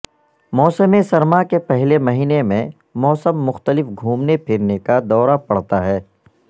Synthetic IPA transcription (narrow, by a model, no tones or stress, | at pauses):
mɔːsəmẽsɐɾmakepɛɦlemɐɦiːnemẽ | mɔːsəmːʊxt̪əlɪfɡʱuːmnepʰɪɾnekad̪ɔːɾapɐɽ̤t̪aɦɛː